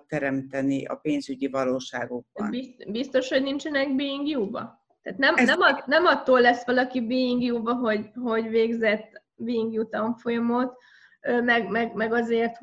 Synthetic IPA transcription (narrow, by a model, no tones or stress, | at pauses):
t̪ɛɾɛmt̪ɛniʔɒ̰peːnzyɟivɒloːʃaːɡoɡ̚bɒnbibist̪o̞ʃho̞ɟnint͡ʃɛnɛɡbiiŋɡjuːbɒ̰ | t̪aːt̪nɛmnɛmɒnɛmɒt̪ːoːlːɛsʋɒlɒkibiiŋɡjuːbɒɦo̞ɟɦo̞ɟveːɡzɛt̪ː | biiŋɡjut̪ɒɱfo̞jɒmo̞t̪ | ømɛɡmɛɡmɛɡɒzeːrt̪h